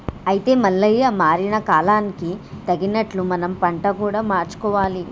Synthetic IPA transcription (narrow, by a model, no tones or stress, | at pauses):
ɐjit̪e̞ːmɐɭːɐjɐmaːɾinɐkaːlaːnikit̪ɐɡinɐʈlumɐnɐmpɐɳʈɐkuːɽaːmaːɾt͡ʃu̥kɔːʋaːli